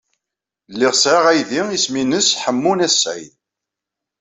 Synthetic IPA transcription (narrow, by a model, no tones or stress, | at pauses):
lːɪʁsʕiʁæjðiisminəsħəmːunæsːæ̰j